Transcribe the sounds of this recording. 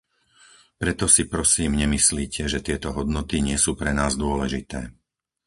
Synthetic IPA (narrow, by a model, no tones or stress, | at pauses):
pɾɛt̪ɔsipɾɔsiːmɲɛmisliːcʰɛʒɛt̪ɪɛt̪ɔɦɔd̪nɔt̪iɲɪɛsuːpɾɛnaːzd̪ʊɔlɛʒit̪ɛ̰ː